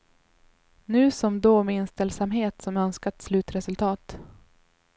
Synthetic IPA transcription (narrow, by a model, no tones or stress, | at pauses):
nʉ̟ːsɔmd̪oːmɛɪnst̪ɛlsamɦeːt̪sɔmœnskat̪slʉ̟ːt̪ɾɛsɵlt̪ʰɑːt̪